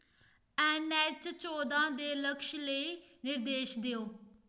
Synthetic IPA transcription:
ɛ̃ːnɛːt͡ʃt͡ʃoːd̪ãːd̪eːləkʃləiː | nɪɾd̪eːʃd̪eoː

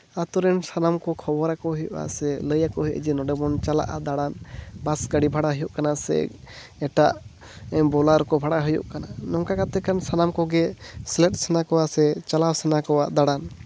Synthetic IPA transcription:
at̪ɔɾɛnsanamkɔkʰɔbɔɾakɔɦijɔʔa̰sɛləjakɔɦiʔd͡ʒɛnɔɖɛbɔnt͡ʃala̰ʔa̰d̪aɽanbasɡaɽibʱaɽaɦujɔʔkanasɛ̰ | ɛʈaʔ | ɛbɔlaɾkɔbʱaɽaɦujṵʔkananɔŋkakat̪ɛkansanamkɔɡɛslɛʈ̚sɛnakɔwasɛt͡ʃalawsɛnakɔwaʔd̪aɽan

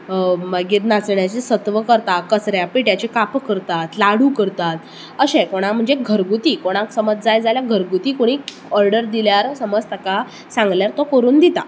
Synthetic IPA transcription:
məɡet̪nat͡sɳjat͡ɕesət̪ʋəkəɾt̪akəsɾjapiʈjat͡ɕekapkːəɾt̪at̪laɽ̤uːkəɾt̪at̪̚ | əɕẽkoɽ̃am̤əɳd͡zeɡʱəɾɡut̪iːkoɽ̃ãksəməd͡zd͡zajd͡zaljaɡʱəɾɡut̪iːkoɽ̃iː | ɔɾɖəɾd̪iljaɾsəməd͡zt̪əka | sãŋɡljaɾt̪ɔkəɾuːnd̪it̪a

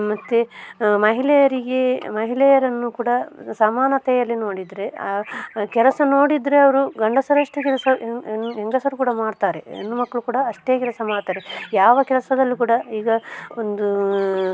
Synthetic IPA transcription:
mɐt̪ːemɐɦilɛjɐɾiɡe̞mɐɦilɛjɐɾɐnːukuːɽɐsɐmaːnɐt̪ɛjɐlːinoːɽid̪ɾe̞aːkɛlɐsɐno̞ːɽid̪ɾeɐʋɐɾuɡɐɳɖɐsɐɾɐʂʈekɛlɐsɐnɦeŋɡɐsɐɾukuːɽɐmaːɽt̪aːɾe̞̰ḛnːumɐkːɐɭukuːɽɐːʂʈe̞ːkɛlɐsɐmaːɽt̪aːɾejaːʋɐkɛlɐsɐd̪ɐlːikuːɽɐiːɡɐond̪u

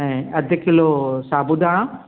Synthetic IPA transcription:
ɛ̃ɐd̪ʱɪkʰilosaːbud̪aːɽ̃ã

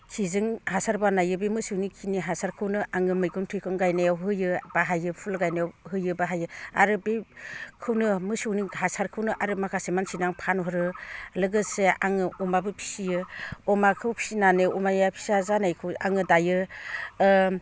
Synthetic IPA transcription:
kʰizɯŋhasaɾbanajɯbemɯsɯwnikʰiniɦasaɾkʰɯwnɯʔaŋɯmɯjɡɯmtʰɯjkʰɯŋɡajnajawɦɯjɯb̥aɦajɯpʰulɡajnajawɦɯjɯbaɦajɯa̰ɾɯbekʰɯwnɯmɯsɯwniɦasaɾkʰɯwnɯʔaɾɯmakʰasemansʰinaŋpʰanɦɔɾɯlɯɡɯseaŋɯɔmabɯpʰi̥sijɯɔmakʰɯwpʰi̥sinanɯumajapʰi̥sazanajkʰɯwa̰ŋɯdajɯ

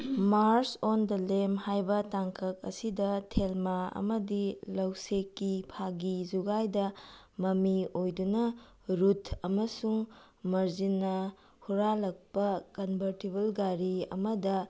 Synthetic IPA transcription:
maɾsondɐlemhajbɐtaŋkʰɐk̚ɐ̰sidɐtʰelmaɐ̰mɐdilɐwsekːipʰaɡizuɡajdɐ | mɐmiojdunɐ | ɾutʰɐmɐsuŋ | mɐɾzinːɐ | huɾalɐk̚pɐkɐnbʱɐɾtibɐlɡaɾiɐ̰mɐdɐ

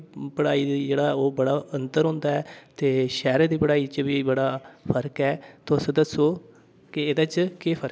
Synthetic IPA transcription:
pəɽaːiːd̪id͡ʒeːɽaːoːbəɽaːənt̪əɾɦõːnd̪aːɛːt̪eːʃɛːɾed̪iːpəɽaːiːt͡ʃʋiːbəɽaːpʰəɾkɛːt̪oːsəd̪əsoː | kɪed̪at͡ʃkeːpʰəɾ

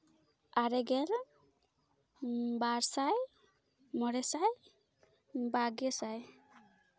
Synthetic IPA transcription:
aɾɛɡɛl | baɾsaj | mɔɾɛsaj | baɡɛsaj

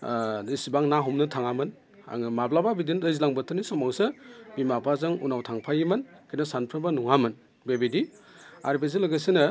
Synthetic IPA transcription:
dɯsibaŋnaɦumnɯtʰaŋamɯn | a̰ŋɯmablababidindɯjzlaŋbɯtʰɯnisɔmaŋsɯbimapʰazɯŋunawtʰaŋpʰajimɯnkʰinasanpʰɾɯbanuŋamɯn | bebidi | a̰ɾibez̬elɯɡajsɯnɯ

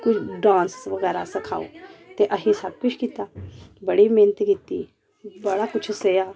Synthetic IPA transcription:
kut͡ʃʰɖãːnsʋəɡɛːɾasəkʰaːo̰t̪eʔəɦisab̚kut͡ʃʰkit̪abəɽimenət̪ɡit̪i | bəɽakut͡ʃʰsəja

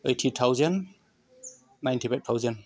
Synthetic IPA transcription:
əjtʰitʰawzan | najntʰipʰajt̚tʰawzan

